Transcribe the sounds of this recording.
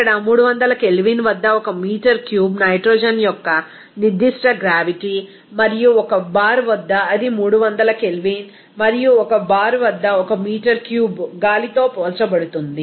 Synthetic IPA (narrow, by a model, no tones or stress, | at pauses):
kːɐɽɐmuːɽuʋɐnd̪ɐlɐkelʋinʋɐd̪ːɐɔkɐmiːʈɐɾkjuːbnɐjʈɾɔːd͡ʒɐnjɔkːɐ | nid̪ːiʂʈɐɡɾaːʋiʈi | mɐɾijuɔkɐbaːɾʋɐd̪ːɐːd̪imuːɽuʋɐnd̪ɐlɐkelʋiːn | mɐɾijuɔkɐbaːɾʋɐd̪ːɐɔkɐmiːʈɐɾkjuːbɡaːlit̪o̞ːpɔːlt͡ʃɐbɐɽut̪und̪i